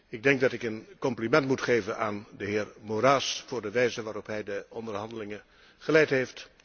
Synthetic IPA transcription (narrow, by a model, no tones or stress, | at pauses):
ɪɡ̚dɛŋɡ̚dɑtɪkənkɔmplimɛntmutχejvənaːndəɦɪːɹmoɾaːsfʊːɹdəʋɛjzənʋaːɾɔpɦɛjdəɔndəɹɦɑndəlɪŋə | χəlɛjtɦejft